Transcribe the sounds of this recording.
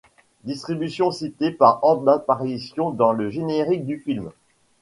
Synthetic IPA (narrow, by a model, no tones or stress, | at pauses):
d̪ist̪χibysjɔ̃sit̪epaʁɔʁd̪apaʁisjɔ̃d̪ɑ̃ləʒeneʁik̚d̪yfilm